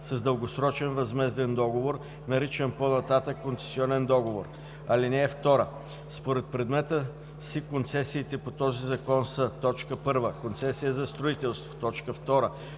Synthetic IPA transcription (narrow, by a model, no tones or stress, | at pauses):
sɐzd̪əlˠɡosɾɔt͡ʃɛnvɐzmɛzd̪ɛnd̪ɔɡovoɾ | nɐɾit͡ʃɛnponɐt̪at̪əkːont̪sɛ̥siɔnɛnd̪ɔɡovoɾ | ɐlinɛːft̪ɔɾə | spoɾɛt̪̚pɾɛd̪mɛt̪ə | sikont̪sɛsiːt̪ɛpot̪ɔzizɐkɔnsət̪ɔt͡ʃkəpɤɾvəkont̪sɛsijəzɐst̪ɾoit̪ɛlˠst̪vo̥t̪ɔt͡ʃkəft̪ɔɾə